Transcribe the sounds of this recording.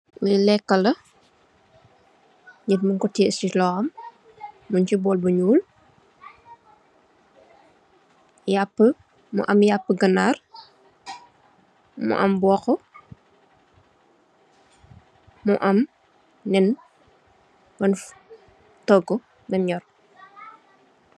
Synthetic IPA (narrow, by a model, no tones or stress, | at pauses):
milɛkːɐlɐ | ɲitmuŋkɔtːisitlɔːɐmː | uɲt͡ʃibɔːlbəɲuːl | japːə | mṵʔɐmjapːəɡɐnar | mṵʔɐ̰mbɔxɔ | muʔɐm | nɛn | bɐnf | tɔɡɔ | bɛmɲɔr